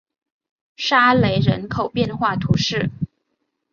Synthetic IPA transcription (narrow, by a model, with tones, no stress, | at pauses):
ʂa˥le˧˥ɪɻə̰˧˥nkʰo˨˩ʊpjɛ˥˧nxwa˥˩t̪ʰu˧˥ʂɻ̩˥˩